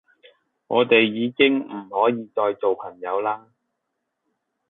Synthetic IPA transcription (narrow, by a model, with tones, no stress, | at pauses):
ŋɔ̰ː˨˧t̪e˨jːiː˨˧kɪ˥ŋmm̩˨˩hɔː˨˥jiː˨˧t͡ʃɔː˨˧jt͡ʃo˨wpʰɐ˨˩ŋjɐ˨˧wlaː˥